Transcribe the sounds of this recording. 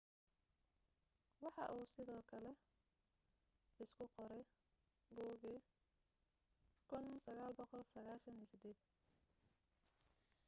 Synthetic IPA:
wɑħɑ̰ʔuːsɪðɔːkʰɐlɛ | ɪskʰʊqɔɾɛj | ɡɔːɣɛ | kʰʊnsɐɣaːlbɔqɔlsɐɣaːʃɐniːsɪd̪ɛːd̪

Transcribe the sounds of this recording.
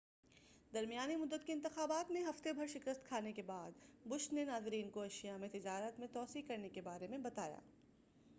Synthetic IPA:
d̪ɐɾmijaːnimʊd̪ːət̪kiɪ̃nt̪ɪxaːbaːt̪mẽɦɐft̪ebʱɐɾʃɪkəst̪kʰaːnekebaːd̪bʊʃt̪nenaːzɪɾiːnkoɐʃijamẽt̪ɪd͡ʒaːɾət̪mẽt̪ɔːsiːkɐɾnekebaːɾemẽbɐt̪aːja̰ː

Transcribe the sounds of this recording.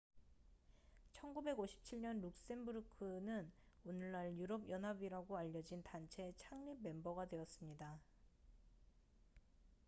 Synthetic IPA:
t͡ɕʰʌnɡube̞ɡoɕʰi̥p̚t͡ɕʰiɭɲʌnɾuk̚s͈e̞nbuɾɯkʰɯnɯnonɯɭːaɭjuɾʌbjʌnɦabiɾaɡoaʎːʌd͡ʑintant͡ɕʰe̞t͡ɕʰaŋɲib̚mːe̞mbʌɡadwe̞ʌs͈ɯmɲida

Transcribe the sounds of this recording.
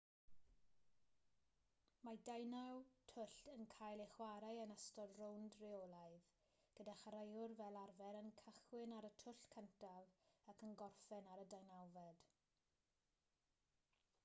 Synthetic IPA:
madajnawtʰʊɬtənkʰajlˠeχwaɾajənəstɔdrowndreolˠaɨð | ɡ̥ədaχaɾajʊrvɛlˠarvɛɾənkʰəχwɪnaɾətʰʊɬkʰəntʰavakʰənɡɔrfɛnaɾədajnawvɛd̥

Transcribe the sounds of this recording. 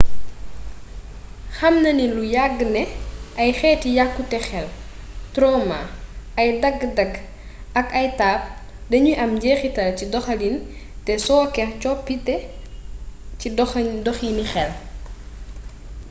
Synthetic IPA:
xɐmnɐnilujaɡːnɛʔɐjxɛːtijakːutɛxɛltɾɔma̰ɐjdɐɡːdɐɡ | ɐkɐjtaːp̚ | dɐɲuʔɐmɟɛːxitɐlcidɔxɐlin | tɛsɔːkɛcɔpːitɛ | cidɔdɔxinixɛl

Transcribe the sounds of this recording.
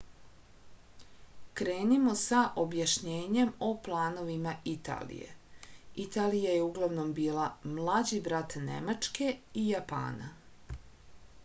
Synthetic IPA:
kɾe̞ːnimo̞saʔo̞bjaʃɲeːɲe̞mo̞plˠaːno̞ʋimait̪a̰ːlḭjḛit̪aːlijajeuɡlˠaʋno̞mbiːlˠamlˠad͡ʑibɾat̪ne̞̰mat͡ʃke̞ijapa̰ːna̰

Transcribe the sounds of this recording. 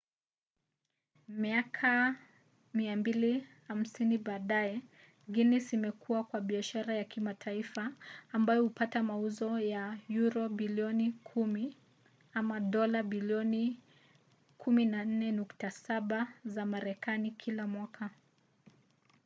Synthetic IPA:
miakʰa | miambiliham̩siniɓaːɗajɛ | ɡinisimɛkʰuwakwaɓiaʃaɾajakimatʰaifaːmbajɔhupatamauzɔjajuɾɔɓiliɔnikʰumi | amaɗɔlaɓiliɔni | kʰuminan̩nɛnuktasaɓazamaɾɛkanikʰilamwakʰa

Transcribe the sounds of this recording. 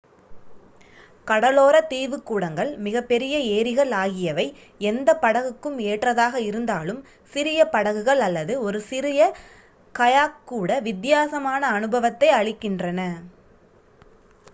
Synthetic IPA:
kɐɽɐloːɾɐt̪iːʋɯkːuːɽɐŋɡɐɭmɪɣɐpːɛɾɪjɐeːɾɪɣɐɭaːɣɪjɐʋɐɪ | ɛnd̪ɐpːɐɽɐɣɯkːɯmeːʈrɐðaːɣɐɪɾɯnd̪aːlɯm | sɪɾɪjɐpɐɽɐɣɯɣɐɭɐlːɐðɯɔɾɯsɪɾɪjɐ | kɐjaːkːuːɽɐʋɪd̪jaːsɐmaːnɐːnɯbɐʋɐt̪ːɐɪɐɭɪkːɪndrɐnɐ

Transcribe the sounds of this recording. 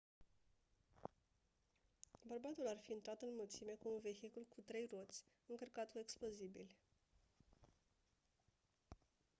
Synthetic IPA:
bərbat̪ularfiɨnt̪ɾat̪ɨnmult̪sime̞kuːnve̞çikulkut̪ɾe̞jro̞t̪sʲ | ɨŋkərkat̪kue̞ksplozibilʲ

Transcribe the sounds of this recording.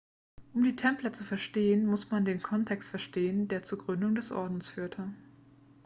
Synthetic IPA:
ʔʊmdiːtʰɛmplɐt͡sufɛɐʃteːənmʊsmandeːnkʰɔntʰɛkstfɛɐʃteːəndeːɐt͡suːɡʁʏndʊŋdɛsʔɔ̰ɐdn̩sfyːɐtʰə

